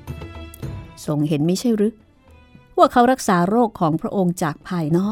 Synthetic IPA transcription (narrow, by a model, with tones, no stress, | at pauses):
so˨˩ŋɦe˩˦nma˥˩jt͡ɕʰa˥˩jɾɯ˦˥ | wa˥˩ɐkʰa˦˥wɾa˦˥k̚saː˩˦ɾoː˥˩kʰːɔː˩˦ŋpʰɾa˦˥ʔo˧ŋt͡ɕaː˨˩k̚pʰaː˧jnɔː˥˩